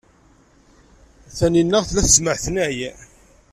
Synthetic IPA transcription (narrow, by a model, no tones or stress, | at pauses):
θæninːæʁθlæθəzməʕθnæj